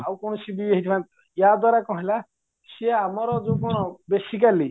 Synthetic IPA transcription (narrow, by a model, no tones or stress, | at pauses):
awkɔɽ̃ɔsibieɦit̪ʰmãk | jad̪aɾakɔ̃ɦila | siamɔɾɔd͡ʒukɔɽ̃ɔbesik̬ali